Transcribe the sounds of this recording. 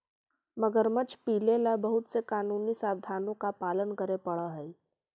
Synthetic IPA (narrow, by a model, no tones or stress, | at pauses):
məɡəɾmət͡ʃʰpiːlelabɐɦʊt̪sekaːnuːnisaːbd̪ʱaːnõkapaːlənkəɾepɐɽaɦɛ